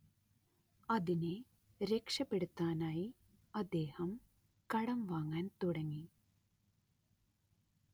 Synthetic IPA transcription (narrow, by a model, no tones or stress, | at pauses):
ɐðine | ɾe̞kʂɐpːe̞ɽut̪ːaːnaːji | ɐd̪ːe̞ːhɐm | kɐɽɐmʋaːŋːaːnt̪uɽɐŋːi